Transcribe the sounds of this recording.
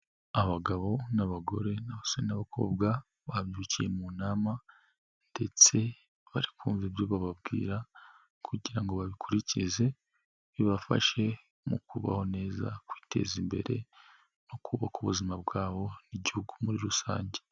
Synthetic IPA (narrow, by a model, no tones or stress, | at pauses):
aβaɡaβo̞naβaɡo̞̰ɾe̞naβasoɾenaβakʰo̞̰ːbɡa | βamjucije̞munaːma | nde̞t͡se̞ | βaɾikuːɱvibjoβaβab̚ɡḭːɾa | kʰuɟiɾaŋɡo̞βaβikʰuɾicize̞ | βiβafa̰ʃe̞ | mukuβa̰ho̞ne̞ːza̰kwi̥ːtʰe̞̰zimbe̞̰ɾe̞̰ | nokʰuβakuβuzimabɡaːβo̞niɟihuɡumuɾiɾusa̰ːɲɟe